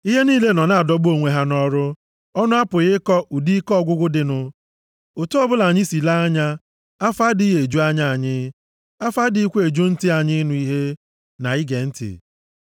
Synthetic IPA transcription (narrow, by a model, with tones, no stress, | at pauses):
i˦ɦe˦niː˦le˦nɔ˨na˨a˨dɔ˨ɡ͡bo˨ŋʷe˨ɦa˦nɔ˦ɾʊ˦ | ɔ˦nʊ˦a˦pʊ˨ɣɪ˦kɔ˦u˨di˦kɔ˦ɡʷʊ˦ɡʷʊ˦dɪ˨nʊ˦ | o˨to˦ɔ˦bʊ˦la˨ɲɪ˦si˨la˦a˦ɲa˦ | a˦fa˦dɪ˦ɦe˨d͡ʒu˦a˦ɲa˦a˨ɲɪ˦ | a˦fa˦dɪ˨i˦kʷe˦e˨d͡ʒu˦n̩˦tɪ˦a˨ɲɪ˦nʊ˦i˦ɦe˦ | na̰˨ɪ˦ɡe˨n̩˦tɪ̰˨